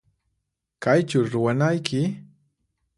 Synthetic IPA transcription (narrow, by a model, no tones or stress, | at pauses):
kajt͡ʃʊɾʊwanajkʰɪ